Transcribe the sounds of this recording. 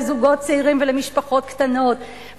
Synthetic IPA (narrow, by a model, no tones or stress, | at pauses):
zuɡo̞t̚t͡seiʁimvelemiʃpaχo̞t̪ktano̞t | v